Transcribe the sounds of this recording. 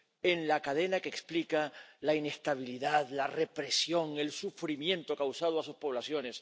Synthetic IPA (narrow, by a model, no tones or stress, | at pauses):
e̞nlakaðe̞nakeksplikalaine̞st̪aβ̞iliðaðlare̞pɾe̞sjo̞ŋe̞lsufɾimjẽ̞nt̪okawsað̞oasuspo̞β̞lasjo̞ne̞s